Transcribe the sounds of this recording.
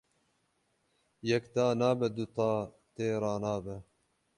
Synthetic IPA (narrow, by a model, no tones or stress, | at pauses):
jɛkt̪ɑːnɑːbɛd̪ut̪ɑː | t̪eːɾɑːnɑːbɛ